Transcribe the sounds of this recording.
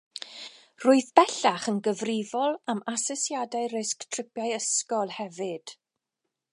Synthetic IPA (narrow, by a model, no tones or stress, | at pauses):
rʊːɨðbɛɬaχənɡəvrɪvɔlˠamasɔsjadaɨrɪsktʰr̥ɪpjajəskɔlˠhɛvɨd̥